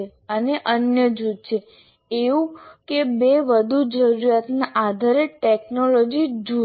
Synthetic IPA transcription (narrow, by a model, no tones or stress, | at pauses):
e | əneʔənjəd͡ʒud̪̚t͡ʃʰe | eũkebeʋəd̪ʱud͡ʒəɾuɾat̪naʔad̪ʱaɾeʈeknolod͡ʒid͡ʒu